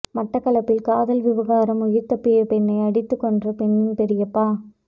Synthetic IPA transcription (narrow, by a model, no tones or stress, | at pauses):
mɐʈːɐkːɐɭɐpːɪlkaːðɐlʋɪʋɐɣaːɾɐmʊjɪɾt̪ɐpːɪjɐpɛnːɐɪɐɽɪt̪ːɯkːɔndrɐpɛɳːɪnpɛɾɪjɐpːaː